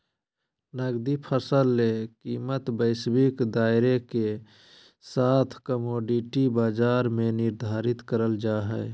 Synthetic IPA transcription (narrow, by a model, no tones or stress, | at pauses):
nəɡd̪ipʰəsəlːekiːmət̪bəɪsbikd̪aːɪɾeke | saːt̪ʰkəmoːɖiʈibaːd͡ʒaːɾmenɪɾd̪ʱaːɾɪt̪kəɾəld͡ʒaːɦɛː